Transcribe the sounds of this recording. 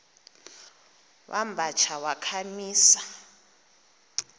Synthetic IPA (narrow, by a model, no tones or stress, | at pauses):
wʔa̰mbʱat͡ʃʰawakʰamiːsa